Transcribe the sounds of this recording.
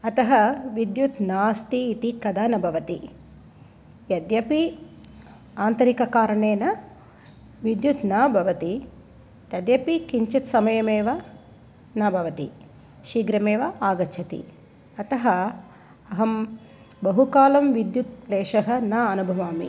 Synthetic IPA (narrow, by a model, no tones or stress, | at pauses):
ɐt̪ɐɦɐʋid̪jut̪naːst̪iːt̪ikɐd̪aːnɐbʱɐʋɐt̪i | jɐd̪jɐpi | aːnt̪ɐɾikɐkaːɾɐɳeːnɐ | ʋid̪jut̪nabʱɐʋɐt̪i | t̪ɐd̪jɐpikiɲt͡ʃɐt̪sɐmɐjɐmeːʋɐ | nɐbʱɐʋɐt̪ḭ | ʃiːɡɾɐmeːʋɐaːɡɐt͡ʃʰɐt̪ḭ | ɐt̪ɐɦɐ | ɐɦɐm | bɐɦukaːlɐmʋid̪jut̪leːʂɐɦɐnaɐnubʱɐʋaːmḭ